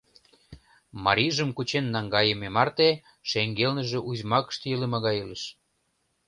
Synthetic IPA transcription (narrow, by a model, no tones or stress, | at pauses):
mɑɾʲiʒəmkut͡ɕenːɑŋɡɑjememɑrt̪e | ʃeŋɡelnə̆ʒĕʔuzmɑkə̥ʃt̪jələmɑɣɑjeləʃ